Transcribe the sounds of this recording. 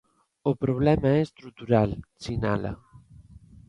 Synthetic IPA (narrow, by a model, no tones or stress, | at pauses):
opɾuβ̞lɛmaɛst̪ɾut̪uɾalsina̰la̰